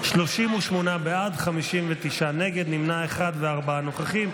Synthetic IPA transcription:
ʃloʃimuʃmonabead̪χamiʃimvet̪iʃane̞ɡe̞d̪nimnaeχad̪veaʁbaanoχaχim

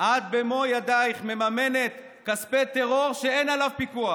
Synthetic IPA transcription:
ʔad̪̚bemo̞jad̪ajχme̞mame̞ne̞t̪ | kaspet̪eʁo̞ʁʃeenalavpikua

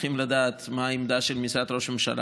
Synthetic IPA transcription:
χimlad̪aːt̪maimd̪aʃelmisat̪ɾo̞ʃmemʃa̰la̰

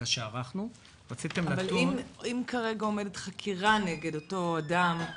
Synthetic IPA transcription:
aʃeaʁaχnu | ʁat͡sit̪emaavalimimkaʁe̞ɡao̞medetχakʰiʁaneɡe̞do̞to̞adam

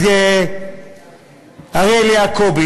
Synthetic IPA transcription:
ɛ | aɣelɪakʰobi

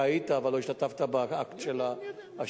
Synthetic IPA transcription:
ait̪aːvalo̞iʃtat̪aft̪abaakt̪ʃelaa

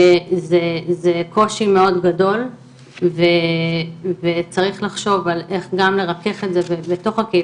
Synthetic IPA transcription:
zezeko̞ʃime̞o̞dɡado̞l | ve | vet͡saʁiχlaχʃo̞vale̞χɡamle̞ʁake̞χetzebebeto̞χake

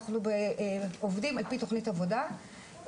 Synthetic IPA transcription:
χnubeovdimalpitoχnitavo̞da

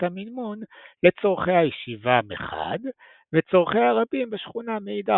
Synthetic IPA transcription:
tamilmonle̞t͡so̞ʁχejhajeʃivamḛχa̰d̪ | vet͡so̞ʁχejhaʁabimbeʃχunameid̪a

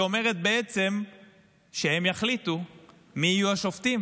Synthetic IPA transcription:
o̞me̞ʁe̞t̪̚beet͡se̞m | ʃehe̞mjaχlitu | miːjuaʃo̞ftim

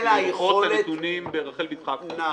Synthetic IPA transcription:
ajeχoaet̪unimbeʁaχelbidχakna

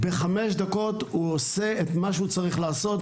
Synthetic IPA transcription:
be̞χameʃd̪ako̞t̪huose̞et̪maʃeut͡saʁiχlaːso̞t̪

